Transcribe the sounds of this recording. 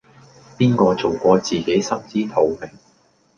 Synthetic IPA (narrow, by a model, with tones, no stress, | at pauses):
piː˥nkɔː˧t͡so˨wkʷɔː˧t͡siː˨˩ke˨˥jsɐ˥mt͡siː˥t̪ʰo˨˧wmɪ˨˩ŋ